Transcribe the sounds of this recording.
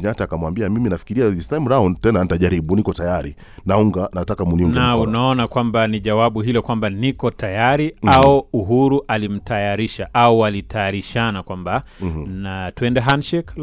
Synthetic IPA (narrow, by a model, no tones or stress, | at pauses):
ɲataːkamwambiamiminafi̥kiɾiastam̩ɾaɔntɛnanitaʄaɾiɓunikɔtajaɾi | nauŋɡanatakamuniuŋɡnaunaɔnakwambaniʄawaɓuɦilɔkwambanikɔtajaɾiaɔuɦuɾuʔalim̩tajaɾiʃaʔauwalitʰajaɾiʃanakwambanatuɛndɛɦanʃɛk